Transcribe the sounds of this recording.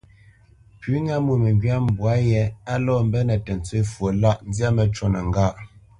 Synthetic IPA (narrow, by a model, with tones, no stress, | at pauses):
pʉ˨˦ŋa˦mu˨mɛ˨ŋɡɥa˦m˨bwa˨˦jɛ˨˦a˦lɔ˦˨m̩˦bɛ˦nɛ˨tɛ˨n˨t͡swe˦fwo˨la˦ʔn̩˦d͡zja˦mɛ˨t͡ʃɔ˦˨nə˨ŋ˦ɡa˦˨ʔ